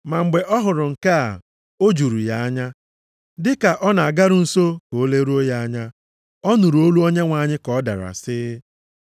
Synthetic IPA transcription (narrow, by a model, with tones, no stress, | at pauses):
ma˨ŋ͡m̩˨ɡ͡be˨ʔɔ˦ɦʊ˨ɾʊ˨ŋ̩˨ka˦a̰˨ | o˦d͡ʒu˨ɾu˨ja˨a˦ɲa˦ | dɪ˦ka˨ʔɔ˦na˨a˨ɡa˦ɾʊ˨n̩˦so˦ko˨˦le˦ɾu˦o˦ja˦a˦ɲa˦ | ɔ˦nu˨ɾu˨o˦lu˦o˦ɲe˦ŋʷa˨ɲɪ˦kɔ˨˦da̰˨ɾa̰˨sɪ˦